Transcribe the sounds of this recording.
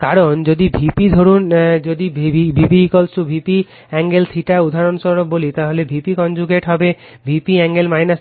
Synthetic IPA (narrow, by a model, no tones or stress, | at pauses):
kaɾond͡ʑod̪ibʱipid̪ʱoɾund͡ʒod̪ibʱipikɔlsubʱipi | ɛŋɡelsʰiʈaud̪ʱaɾɔnsɔɾobolit̪aɦolebʱipikɔnd͡ʒuɡeʈɦɔbe | bʱipiɛŋɡelmajnas